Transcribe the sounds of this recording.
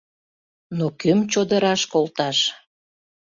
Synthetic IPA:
nokømt͡ɕod̪əɾɑʃkolt̪ɑʃ

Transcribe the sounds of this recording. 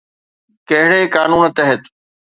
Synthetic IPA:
kɐɦɪɽekaːnuːnt̪ɐɦət̪

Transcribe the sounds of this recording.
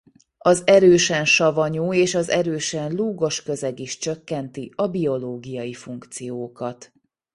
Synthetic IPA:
ɒzɛɾøːʃɛnʃɒvɒɲoːeːʃɒzɛɾøːʃɛnluːɡo̞ʃkø̞zɛɡiʃt͡ʃø̞kːɛnt̪iɒbio̞loːɡijɒjifuŋkt̪sijoːkɒt̪

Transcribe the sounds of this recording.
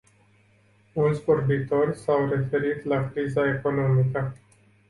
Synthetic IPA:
unsporbit̪orʲsawɾe̞fe̞ɾit̪lakɾizaekonomikə

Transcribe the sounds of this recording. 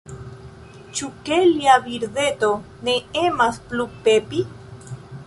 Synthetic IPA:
t͡ʃukeliaβiɾðe̞t̪o̞ | neemasplupepi

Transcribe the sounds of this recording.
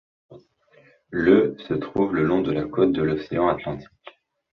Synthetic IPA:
løsət̪χuvləlɔ̃d̪əlakot̪̚d̪əlɔseɑ̃at̪lɑ̃t̪ʰi̥kʲ

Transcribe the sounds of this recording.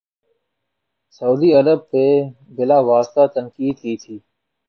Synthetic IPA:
sɐuːd̪iɐɾəb̚pe | bɪlaːʋaːst̪at̪ənkiːd̪kiːt̪ʰiː

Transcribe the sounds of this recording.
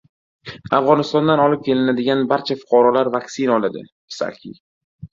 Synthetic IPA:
afʁɒnɪst̪ɒnd̪anɒlɪp̚kʲʰe̞lɪnad̪ɪɡʲanbaɾt͡ʃʰafʊ̥qʰɒɾɒlaɾvakʲsɪnɒlad̪ɪ̰ | ɪ̥sa̰kʲʰḭ

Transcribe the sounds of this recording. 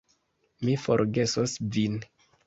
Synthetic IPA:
mifo̞̰ɾɡe̞sosvin

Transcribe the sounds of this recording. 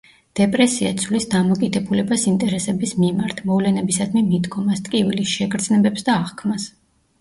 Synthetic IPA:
d̪̥ɛpʼɾɛsiat̪sʰvlisd̪amɔkʼid̪ɛbulɛbasint̪ʼɛɾɛsɛbismimaɾt̪ʰmɔvlɛnɛbisad̪mimid̪ɡɔmast̪ʼkʼivilisʃɛɡɾd̪znɛbɛpsd̪aːʁkʰmas

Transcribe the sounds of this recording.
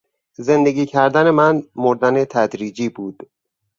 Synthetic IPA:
ze̞nd̪e̞ɡiːcʰæɾd̪æne̞mænmoɾd̪ænet̪ʰæd̪ɾiːd͡ʒiːbuːd̪̥

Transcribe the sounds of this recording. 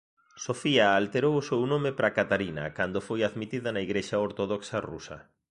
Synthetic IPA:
sofiaːlt̪eɾowʊsownõmɪpɾakat̪aɾinɐ̰kand̪ofojaðmit̪iðɐnaiɣɾeʃaoɾt̪oðoksarṵsɐ̰

